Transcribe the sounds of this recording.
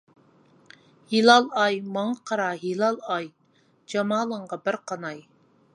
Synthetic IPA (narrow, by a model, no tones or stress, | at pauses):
hilˠɑlˠɑjmɑŋqʰɑɾɑɦilˠɑlˠɑj | d͡ʒɑmɑːlˠəɴʁɑbɪɾqʰɑnɑj